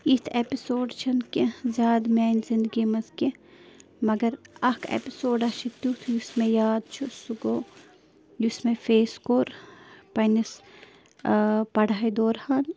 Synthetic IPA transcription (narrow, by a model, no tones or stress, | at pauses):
it̪ʰepisoːɖt͡ʃʰɐnkezʲjaːd̪meːnzĩnd̪əɡimɐzke | mɐɡɐɾɐkʰḛpisoːɖɐʃʰit̪jut̪ʰjusmejaːd̪t͡ʃʰusuɡoː | jusmẽfʰeːskoːɾpɐnis | pɐɽaːid̪oːɾhaːn